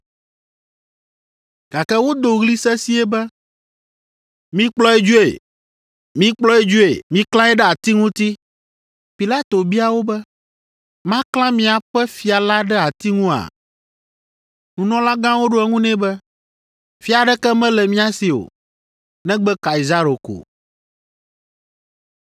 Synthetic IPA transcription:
ɡ̥a˨kɛ˦wo˦d̪o˨ɣli˦sɛ˦si˦ɛ˦bɛ˦ | mĩ˦k͡plɔ˦ɛ˦d͡ʒu˦ḛ˨ | mĩ˦k͡plɔ˦ɛ˦d͡ʒu˦e˨mĩ˦klã˦ɛ˦ɖɛ˦a˨t̪i˦ŋũ˦t̪i˦ | pi˨la˦t̪o˨bi˦a˨wo˦bɛ˦ | mã˦klã˦mĩ˨a˨ɸɛ˦fi˨a˨la˦ɖɛ˦a˨t̪i˦ŋũ˦a̰˨ | nũ˨nɔ̃˦la˦ɡã˦wo˦ɖo˦ɛ˨ŋũ˦nɛ̃˦bɛ˦ | fi˦a˨ɖɛ˦kɛ˦mɛ̃˦lɛ˨mĩ˦a˦si˨o̰˨ | nɛ̃˦ɡ͡bɛ˦ka˨i˨za˦ɾo˨ko̰˨

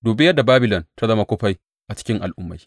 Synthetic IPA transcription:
duː˨be˦jɐ˦da˨baː˦bɪ˨lɔ˨nta˦zɐ˦ma˦kʷoː˦ɸa˦j | ʔa˨t͡ʃɪ̥˦kʲɪ˦ŋʔa̰˨lʔʊ˦mːa̰˨j

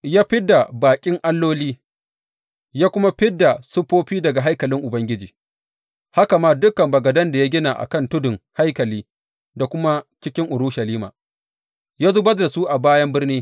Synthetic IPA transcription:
jaː˦ɸɪ˦da˨baː˨kʲʼɪ˦ŋʔa˦lːoː˦liː˦ | jaː˦kʷʊ˦ma˦ɸɪ˦dːa˨sʊ˦ɸoː˦ɸiː˦dɐ˨ɡa˨ɦa˦jkɐ˨lɪ˦ŋʔʊ˨bɐ˦ŋɡʲɪ˦d͡ʒiː˨ | ha˦ka˨maː˦dʊ˦kɐ˨mbɐ˨ɡɐ˨dɐ˦nda˨ja˦ɡʲɪ˦na˨ʔa̰˨kɐ˦˨ntʊ˦dʊ˨ŋha˦jkɐ˨liː˦ | da˨kʷʊ˦ma˦t͡ʃɪ˦kʲɪ˦ŋʔʊ˨ɾʊ˦ʃɐ˨liː˦ma̰ː˨ | jaː˦zo˦bɐ˦rda˨su˦ʔa˨baː˦jɐ˦mbɪ˦rniː˦

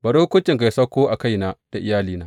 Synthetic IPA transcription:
bɐ˨ɽoː˦kʷʊ˦t͡ʃʲɪ˨ŋka˨˦sɐ˦kʷːoː˦ʔa˨ka˦jna˦d̥a˨ʔɪ˨jaː˦liː˨naː˦

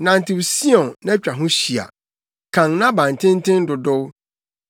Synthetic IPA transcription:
nã˨n˨tʰɪ˨wsi˦ɔ̃˨nːã˦t͡ɕᶣa˨ɦʊ̃˦ɕi˨a̰˨ | kʰã˨ŋnã˦bã˨n˨tʰɪ̃˦n˦tɪ̃˦n˦dʊ˨dʊ˦w

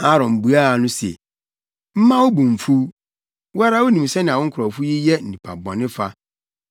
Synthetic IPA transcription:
a˦˨ɾɔ̃˨m̩˨bu˨a˦˨nʊ̃˦sɛ̰˨ | m̩˦mã˦wo˦bũ˨m˨fu˦ | wa˦ɾa˦wo˦nĩ˨m˨sɛ˦nɪ̃˨a˨wʊ̃˦ŋ̩˦kʰʊ˨ɾɔ˨fu˦ji˦jɛ˦n̩˨nĩ˨pʰa˨bɔ̰̃˨nɪ̃˦fa˦

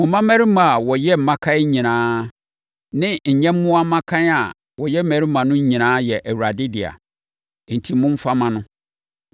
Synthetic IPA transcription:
mʊ̃˨mã˦mæ˦ɾi˦mã˨a˨wɔ˨jɛ˦m̩˨mã˦kʰã˦ɲĩ˨nãː˦ | nɪ̃˦ɲ̩˨ɲɛ̃˦mː˦ʊ̃˦a˦mã˦kʰã˦n˦a˨ | wɔ˨jɛ˦m̩˦mæ˨ɾi˦mã˨nʊ̃˦ɲ̩˦ɲĩ˨nãː˦jɛ˨ʔæ˨wu˨ɾa˨dɪ˦dɪ˨a̰˨ | n̩˨tʰi˨˦mʊ̃˦m̩˦fa˦mã˨nʊ̃˦

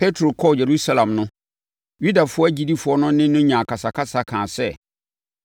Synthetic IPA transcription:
pʰe˦tʰɾo˨kʰɔ˦˨je˨ɾu˦sa˦lã˨mnʊ̃˦ | ju˦da˨fʊ˦ɔ˦æ˦d͡ʑi˦di˦fʊ˨˦ɔ˦nʊ̃˦nɪ̃˦nʊ̃˦ɲã˨kʰa˨sa˨kʰa˦sa˨kʰãː˨sɛ˦

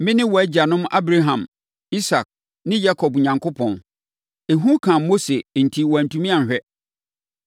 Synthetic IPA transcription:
mɪ̃˦nɪ̃˦wɔ˨æ˦d͡ʑa˨nʊ̃˦ma̰˦bɾa˦ɦã˨m | i˦sa˨k̚ | nɪ̃˦ja˦kʰɔ˨bɲã˨ŋkʰʊ˦pʰɔ̃˨n | e˨ɦũ˦kʰã˨˦mo˦se˨n̩˨tʰi˦wɔ˨æ˨n˨tʰũ˦mĩ˦ã˨ɕᶣɛ˦

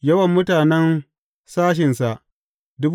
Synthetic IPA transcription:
jɐ˦wɐ˨mːʊ˦taː˨nɛ˦n | saː˦ʃ̬ɪ˨nsa˨ʔ | dʊ˦b

